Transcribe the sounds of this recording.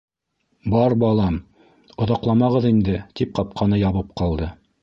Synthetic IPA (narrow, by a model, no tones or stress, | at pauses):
bɑɾbɑlˠɑm | ŏðɑqlˠɑmɑʁɤðind̪ɘt̪ip̚qɑp̚qʰɑnɤjɑβɤp̚qɑlˠd̪ɤ